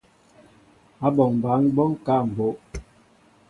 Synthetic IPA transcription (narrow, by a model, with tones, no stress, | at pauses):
a˦bɔ˨ŋ˨ba˨˦ŋ˦bɔ˦ŋ˦ka˦˨m̩˨bo˨˦ʔ